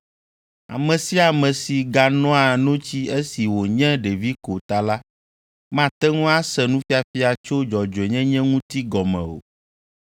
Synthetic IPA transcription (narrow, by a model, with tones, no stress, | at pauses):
a̰˨mɛ̃˨si˦a˨mɛ̃˨si˨ɡa˨nɔ̃˦a˨nõ˦t͡ɕi˦e˦si˨wo˨ɲɛ̃˦ɖe˨vi˦ko˨t̪a˨la˦ | mã˦t̪ɛ˦ŋũ˦a˦sɛ˨nũ˦fi˦a˨fi˦a˨t͡ʃo˦d͡ʒɔ˨d͡ʒe˨ɲɛ̃˦ɲɛ̃˦ŋũ˦t̪i˦ɡɔ˨mɛ̰̃˨o̰˨